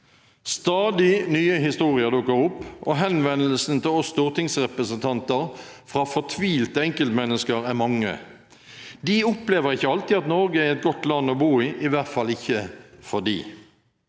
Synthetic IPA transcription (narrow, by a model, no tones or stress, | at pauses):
st̪ɑːd̪ɪnyːəɦɪst̪uːʁɪəʁd̪ʊkːəɾʊpːʔɔɦɛnʋɛnːəlsn̩t̪ʰɪlɔst̪uːʁt̪ʰɪŋsʁɛpɾəsənt̪ʰɑnt̪əʁ | fʁɑːfɔt̪ʰʋiːlt̪əɛŋkəlt̪mɛnːəskəʁæʁmɑŋːə̰ | d̪ɪʊpleːʋəʁɪçːəɑlt̪ɪɑt̪nɔɾɡəæɾɛt̪̚ɡɔt̪lɑnːɔbuːɪːʔɪʋæʁt̪fɑlɪçːəfɔd̪ḭː